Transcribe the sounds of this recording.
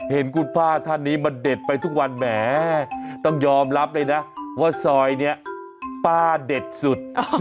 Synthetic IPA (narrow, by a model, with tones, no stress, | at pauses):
he˩˦nku˨˩npʰaː˥˩t̪ʰa˥˩nːiː˦˥ma˧nde˨˩t̪̚pa˧jt̪ʰu˦˥k̚wa˧nmɛː˩˦t̪ɔ˥˩ŋjɔː˧mɾa˦˥p̚lɤː˧jna˦˥waː˥˩sɔː˧jni˥˩ɐ | paː˥˩de˨˩t̪̚su˨˩t̪̚